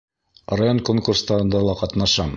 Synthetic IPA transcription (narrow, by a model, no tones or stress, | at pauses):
rajo̞nkoŋkurst̪ɑɾɤ̆nd̪ɑlˠɑqɑt̪nɑʃɑm